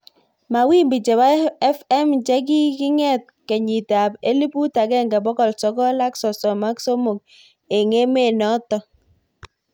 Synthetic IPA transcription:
ma˨wi˦mbi˨t͡ʃɛ˨βa˦ɛ˦fɛ˦mt͡ʃɛ˦k̬i˦kɪ˦ŋɛ˦˨t̚kɛ˨ɲi˨ta˨pe˦li˦pu˦ta˨kɛ˦˨ŋɡɛ˨bɔ˦kɔ˨lsɔ˨˦kɔ˦la˦ksɔ˨sɔ˨ma˦kso˦mo˨k̚ | e˨ŋe˦me˦˨nɔ˦tɔ˦

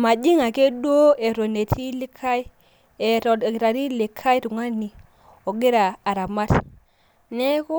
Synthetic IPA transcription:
ma˨d͡ʒi˦ŋa˨ke˦ɗo˦e˨ɾo˨ne˨tʰi˦li˦kʰːa˦i˦ | e˨ɾo˨ɾa˨ɾi˦li˨kʰːa˦i˦tu˨ŋa˦nːi˨ | o˨ɡi˦ɾaː˨ɾa˨ma˦t | ne˦ko˦

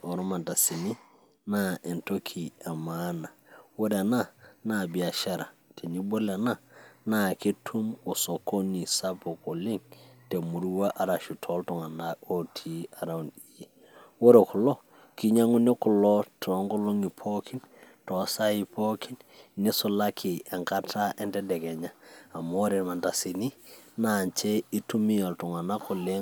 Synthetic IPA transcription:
o˨ɾo˦ma˨nta˨si˨ni˦ | na˦ʔe˨nto˦kʰi˨a˨mana˨wo˦ɾe˨na˦na˨bi˨a˨ʃa˦ɾa˨te˨ni˦bo˦le˨na˦na˨ke˦tʰu˦mo˨so˨ko˦ni˨sa˦po˨ko˨li˦ŋte˨mu˨ɾu˦wa˦ʔa˨ɾa˨ʃu˨tʰo˦lto˨ŋa˨na˨o˦tʰi˦a˨ɾa˨undi˨ji˨ | wo˦ɾe˨kʊ˨lɔ˦ | ki˦ɲa˦ŋu˦ne˦kʊ˨lɔ˦tʰɔ˨˦ŋkʊ˦lo˦ŋi˨pʰo˦kʰi˦n | tɔ˨sa˦i˨pʰo˦ki˦nne˦sʊ˨la˦kʰɪ˨ɛ˨ŋka˦tʰa˦ʔɛ˦ndɛ˦dɛ˨kɛ˨ɲaː˦˨mo˦ɾe˨ma˨nta˨si˨ni˦na˨ɲt͡ʃe˦i˦tu˦mi˦ja˨ltʊ˨ŋa˨na˦kʊ˨le˦

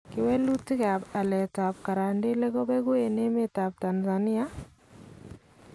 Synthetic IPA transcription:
kɪ˦wɛ˦lu˦ti˦ka˨ba˨lɛ˨ta˨p̚ka˨ɾa˨ndi˦lɛ˦ɡɔ˦bɛ˦ɡu˦e˨ne˦me˦ta˨p̚ta˨nza˨ni˦a˦

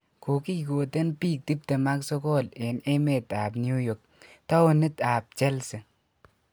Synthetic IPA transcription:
ko˨ki˦˨ko˨te˦npiː˦k̚ti˦p̚te˨ma˦kso˦ko˦˨le˨ne˦me˨ta˨bnju˦jo˨k̚ta˦wo˨ni˦ta˨b̚t͡ʃe˦lse˨

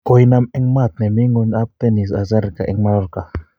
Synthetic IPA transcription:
ko˨jna˦mɛ˦ŋma˦˨t̪̚nɛ˨mi˦ŋu˧na˦p̚t̪ɛ˦ni˨s̬a˨zɛ˦ɾka̰˨ʔɛ˦ŋma˦ɾɔ˦ɾka˨

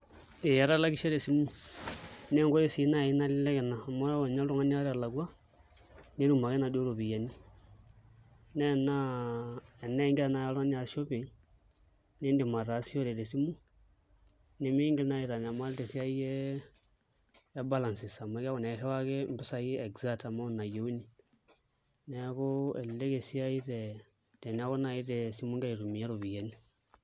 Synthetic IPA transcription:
ne˨ja˨ɾa˦la˦ki˦ʃe˦ɾe˨si˦mu˦ | ne˦ŋɡo˦ɾe˦si˨˦na˦˨i˦na˦lɪ˦lɛ˦kɛ˨na˨ma˦˨ɲa˦lɾu˦ŋa˦ni˦a˦ɾa˨la˨ku˦a˦ | ne˦ɾu˦˨ma˨ke˦na˨do˦lo˨βi˨ja˨ni˦ | nɛ˦˨na˦ | ɛ˨nɛ˦ŋɡna˨˦˨ja˨˦la˦n˦a˨so˦pe˨ŋ | ne˦ndi˨ma˨ɾa˨si˦o˦ɾe˨le˨si˦mu˦ | ni˦miː˦ŋɡe˦na˦i˨ɾa˨ɲa˨ma˦le˦te˨sia˦i˦je˦ | ba˦la˨nsi˨sa˨ma˦ka˦ɣo˨ne˨ʃe˦wa˦ɣe˦mbi˦sa˨ji˦e˨ɡza˦ta˨ma˦na˨je˨u˦ni˨ | neɣoe˨lle˦ɣe˨si˦a˦i˦ɾe | te˨nia˦ɣo˦na˨i˦ɾe˨si˦mu˦ŋɡa˦i˨ɾu˨mi˨a˦ɾo˨βi˨je˨ni

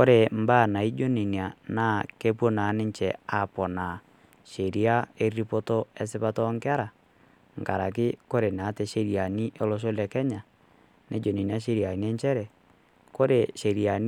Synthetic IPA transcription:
ko˦ɾe˨m̩˨˦baː˦˨na˨i˦d͡ʒo˦ni˨ni˨a˨na˦ke˦pwo˦na˨˦nɪ˦ɲt͡ʃɛ˨a˨pɔ˨na˨ | ʃe˨ɾi˦a˦e˦ri˦po˦tɔ˦ɛ˦s̬ɪ˦pa˦tɔ˦ŋka˦ɾa˨ | ŋ˨ka˨ɾa˨k̬ɪ˦ko˦ɾe˨na˨˦te˨ʃe˦ɾja˨ni˦ʔe˦lɔ˦ʃ̬o˦lɛ˨kɛ˦ɲa˨ | ne˦d͡ʒo˨ni˨ni˨˦a˦ʃ̬e˦ɾi˨a˨ni˦ɛ˦ɲt͡ʃɛ˦ɾɛ˨ | ko˦ɾe˨ʃe˨ɾia˨n

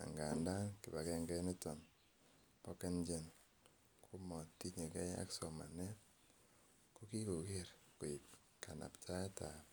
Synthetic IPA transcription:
a̰˨ŋɡa˨nda˦ŋki˨ba˨kɛ˨ŋɡɛ˦ni˦tɔ˨n | pɔ˦ke˦nd͡ʒe˨n | kʰu˦mɔ˨ti˦ɲe˨kɛ˦a̰˦kso˨ma̰˨ne˦ | ko˦ki˦ko˨we˦ɾ | ko˨i˨p | ka˨na̰˨pta˦ɛ˦ta˨p

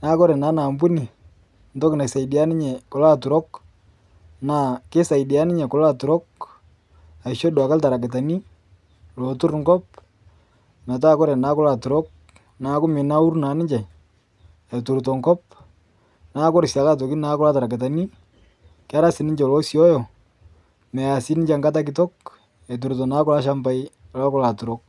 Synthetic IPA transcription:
na˨˦kɔ˦ɾɛ˨na˨˦na˨mbu˦ni˨ | ndɔ˦kɪ˨na˨sa˨idia˦nɪ˦ɲɛ˨kɔ˨la˦tu˨ɾɔ˦k | na˨kɪ˦sa˨idi˨a˦nɪ˦ɲɛ˨kɔ˨la˦tu˨ɾɔ˦k̚ | a˨ɪ˨ʃo˦dwa˨ka˦lta˨ɾa˨k̬ɪ˨t̬a˨ni˦ | lo˨tu˦ɾŋɡɔ˦p̚ | mɛ˨t̬aː˦kɔ˦ɾɛ˨na˦kɔ˦la˨tu˨ɾɔ˦k̚ | na˨˦kʊ˦mɪ˨na˦u˦rna˨˦nɪ˦ɲd͡ʒɛ˨ | e˨tu˨ɾto˨ŋɡɔ˦p̚ | na˦kɔ˦ɾsja˨ka˦t̬o˨ki˦na˦kʊ˦la˦ta˨ɾa˨kɪ˨t̬a˨ni˦ | kɪ˦a˦ɾa˦sɪ˨nɪ˦ɲd͡ʒɛ˨lɔ˦sjɔ˦jɔ˨ | mɛ˨a˨sɪ˦nɪ˦ɲd͡ʒe˨ŋɡa˦t̬a˦k̬ɪtɔ˦k̚ | e˨t̬u˨ɾt̬ɔ˨na˦kʊ˦la˦ʃ̬a˦mba˦j | la˦kʊ˦la˨tu˨ɾo˦k̚

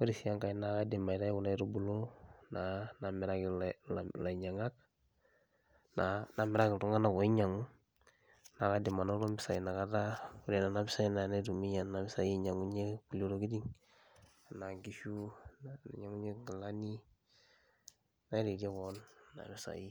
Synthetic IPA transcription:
wa˦ɾi˨si˨a˦ŋka˨i˦na˨ka˦de˨ma˨i˨ɾa˦i˦ku˨na˦i˦ɾo˦bu˨lo˦na˨na˨mɪ˨ɾa˦kɪ˨lla˨ɲa˨ŋa˦k | na˨na˨mɪ˨ɾa˦kɪ˨tu˦ŋa˦na˦˨ko˨i˦ɲa˨ŋu˦ | na˨ka˦de˨ma˨no˦lo˦mɪ˦sa˨i˨na˨ka˦ta˦u˦de˨na˨na˦bɪ˦sa˦i˦na˨na˦i˦du˨mi˦ɲa˨nna˨bɪ˦sa˦ji˦ɲa˨ŋu˦ɲe˦ku˨lo˨ɾo˨ɡi˦di˦ŋ˨ | na˨ŋɡi˦ʃu˦n˨ɲa˦ŋu˦ɲe˦ɡla˦ni˦ | na˦i˦ɾi˨da˦kɔnːa̰˨mi˦sa̰˨ji˦

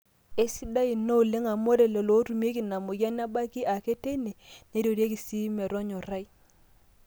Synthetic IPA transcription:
e˦si˦da˦i˨no˦˨le˦ŋa˨mo˦de˨lɛ˨lo˨˦tu˨m˦e˦ki˨na˨mʊ˨ja˦n˦a˦ba˦ki˦ʔa˨ke˦te˦ne˨ne˦ɾo˨ɾje˦ki˨si˦mɛ˨ɾɔ˦ɲɔ˨ɾa˦i˦

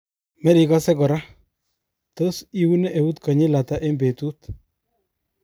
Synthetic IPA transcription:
mɛ˦ɾi˨ka˦sɛ˦kɔ˨ɾa˦ | to˦si˦wu˦ne˦ʔe˨wu˦tkɔ˨ɲɪ˦la˨ta˦ʔe˦mbe˨tu˦t

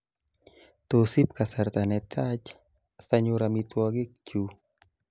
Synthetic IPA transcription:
t̪osi˦pka˨sa˨ɾt̪a˨nɛ˨t̪ʰa˦t͡ʃ | saɲʊɾamit̪wɔɡɪ˦k̚t͡ʃu

